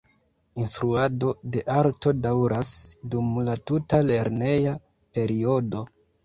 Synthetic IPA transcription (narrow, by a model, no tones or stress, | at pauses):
instɾuado̞de̞ʔaɾto̞dawɾʔasdumlatutale̞ɾne̞ja | pe̞ɾio̞do̞